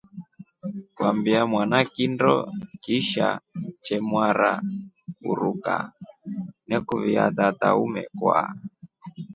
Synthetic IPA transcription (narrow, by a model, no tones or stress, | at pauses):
kwambiamwanakindɔkiʃa̰t͡ʃɛmwaɾa | ṵɾuka | nɛkuvia̰t̪ataumɛkwa̰